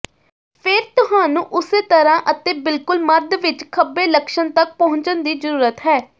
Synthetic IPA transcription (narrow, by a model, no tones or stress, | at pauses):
pʰɪɾt̪ʊɦãːnũːʔʊseːt̪əɾãːʔət̪eːbɪlkʊlməɾd̪ʋɪt͡ʃkʰəbːeːləkʃənt̪ək̚pəɦʊ̃ɲt͡ʃənd̪iːzəɾuːɾət̪ɦɛː